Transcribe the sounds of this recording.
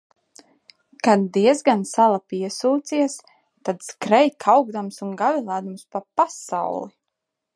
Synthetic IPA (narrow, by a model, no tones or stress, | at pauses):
kad̪d̪iɛzɡansalˠapiɛsuːt̪siɛs | t̪ad̪skɾɛjkʰawɡd̪amsunɡavilˠaːd̪amspapasa̰wlˠi